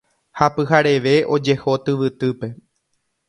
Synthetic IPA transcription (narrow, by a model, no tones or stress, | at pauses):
hapɨɦaɾe̞ʋe̞ʔo̞d͡ʒe̞ho̞t̪ɨʋɨt̪ɨpe̞